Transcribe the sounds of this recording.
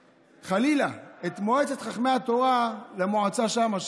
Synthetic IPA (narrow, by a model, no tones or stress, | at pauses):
χalilaet̪moet͡se̞t̪χaχme̞jhat̪o̞ʁalemoʕat͡saʃamaʃ